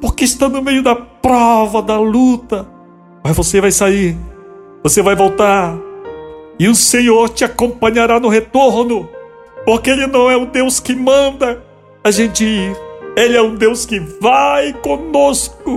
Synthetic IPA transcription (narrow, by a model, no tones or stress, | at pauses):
poɾkeɪʃt̪ãnʊmejʊd̪ɐpɾɔvɐd̪ɐlut̪ɐ | ajvosevajsaiɾ | vosevajvowt̪aɾ | ɪʊsẽɲoɾt͡ʃɪakõpɐ̃ɲaɾanʊɦet̪oɾnʊ | poɾkeelɪnɐ̃w̃ɛũd̪ewskɪmɐ̃nd̪ɐ | aʒẽnt͡ʃɪiɾelɪɛũd̪ewskɪvajkõnoskʊ